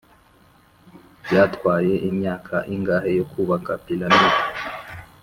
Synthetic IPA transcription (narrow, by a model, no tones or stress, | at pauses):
bjaːtkwaːje̞ʔimɲaːkʰaʔiŋɡaːhe̞jo̞kʰuβakapilaniɾ